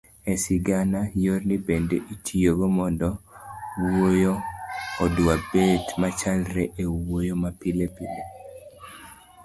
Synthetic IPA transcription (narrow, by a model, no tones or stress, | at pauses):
ɛsiɡanajornibendeʔitʰijoɡomɔndɔ | wojoɔdwabetmat͡ʃalɾɛʔewojomapilepile